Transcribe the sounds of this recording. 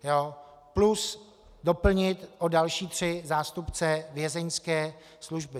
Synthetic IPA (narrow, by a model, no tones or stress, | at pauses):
joː | plus | do̞pl̩ɲɪt̪ʔodalʃiːt̪r̝̥ɪzaːst̪upt͡sɛvjɛzɛɲskɛː | sluʒbɪ